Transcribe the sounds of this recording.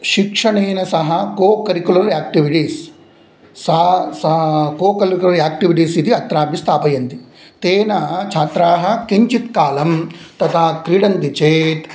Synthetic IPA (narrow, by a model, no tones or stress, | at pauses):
ʃikʂɐɳeːnɐsɐɦɐkoːkɐɾikulɐɾaːk̚ʈiʋiʈiːsː | ɐsɐkoːkɐlikulɐɾiaːk̚ʈiʋiʈiːsid̪iɐt̪ɾaːbjist̪ʰaːpɐjɐnt̪i | t̪eːnɐt͡ʃʰaːt̪ɾaːɦɐ̆kiɲt͡ʃit̪kaːlɐmt̪ɐt̪ʰaːkɾiɽɐnt̪it͡ʃeːt̪